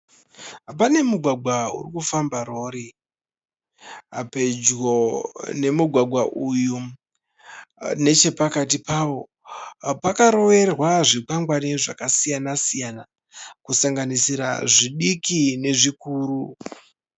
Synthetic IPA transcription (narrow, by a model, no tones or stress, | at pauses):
p̬ane̞muɡʱwaɡʱwaṵrikufambaɾo̞ɾi | a̰pe̞d͡ʒɡone̞muɡʱwaɡʱwaʔuju | ne̞t͡ʃe̞pakatipawo̞ | pakaɾo̞ʋe̞rwaʐikaŋɡwaniʐakasijanasijana | kusaŋɡanisiɾa̰ʐiɗikine̞ʐikuːru